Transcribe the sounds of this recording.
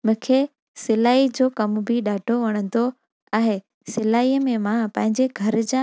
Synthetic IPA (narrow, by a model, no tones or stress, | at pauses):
mʊ̃kʰe | sɪlaːid͡ʑoːkɐmbʱɪɗaːʈoʋɐɽ̃ə̃nd̪o | aːɦe | sɪlaːiːəmẽmãpɐ̃ɦɪ̃ɲd͡ʑeɡʱɐɾd͡ʑã